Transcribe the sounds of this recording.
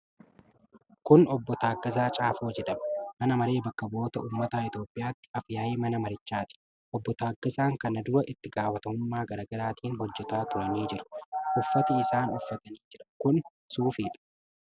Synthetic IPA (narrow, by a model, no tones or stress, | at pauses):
kʊnɔbːɔt̪aːɡːɐs̬aːt͡ʃʼaːfoːd͡ʒɛᶑɐmɐ̥mɐnɐmɐɾe̞ːbɐkːɐbo̞ːt̪ɐṵːmːɐt̪aːɪt̪jo̞ːpʼːɪʔjaːt̪ːɪ̥ɐfjaːʔeːmɐnɐmɐɾɪt͡ʃːaːt̪ɪ̥ | ʔɔbːɔt̪aːɡːɐsaːŋkɐnɐd̪ʊɾɐʔɪt̪ːɪɡaːwɐt̪ɐmʊmːaːɡɐɾaːɡɐɾaːt̪ʰiːnhɔd͡ʒːɛt̪aːt̪ʊɾɐniːd͡ʒɪɾʊ̥ʔʊfːɐt̪ɪɪsaːnɔfːɐt̪ɐniːd͡ʒɪᶑɐ̥kʊn | suːfiːᶑɐ̥